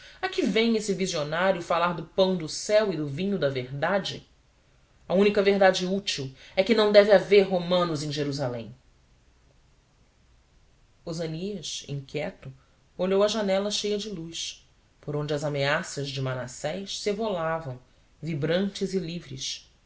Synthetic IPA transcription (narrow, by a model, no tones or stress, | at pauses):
akivẽj̃esɪvizionaɾjʊfalaɾd̪ʊpɐ̃w̃d̪ʊsɛwɪd̪ʊvĩɲʊd̪ɐveɾd̪ad͡ʒɪ̰ | ɐũnikɐveɦd̪ad͡ʒɪut͡ʃiwɛkɪnɐ̃w̃d̪ɛvɪaveɾɦomɐ̃nʊzẽj̃ʒeɾuzalḛ̃j̃ | ozɐniɐsḭ̃ŋkʲjɛt̪ʊ | oʎowɐʒanɛlɐʃejɐd͡ʒɪlus | poɾõd͡ʒɐzameasɐzd͡ʒɪmanasɛjʃsevolavɐ̃w̃ | vibɾɐ̃nt͡ʃɪzɪlivɾɪ̰s